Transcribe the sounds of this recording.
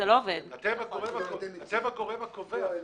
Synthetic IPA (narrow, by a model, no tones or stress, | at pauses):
elooved̪at̪evakoʁevat̪evakoʁevakove